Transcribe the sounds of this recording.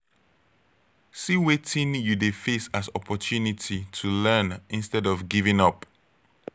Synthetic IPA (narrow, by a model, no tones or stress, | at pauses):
siwetĩnjudefesasɔpʰɔtʰunitʰitʰulɜ̃nĩnstɛdɔvɡivĩŋʌp